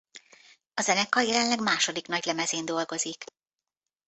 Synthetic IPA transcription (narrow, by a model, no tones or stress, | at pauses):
ɒzɛnɛkːɒjɛlɛnlɛɡmaːʃo̞d̪ikn̪ɒɟlɛmɛzeːnd̪o̞lɡo̞zik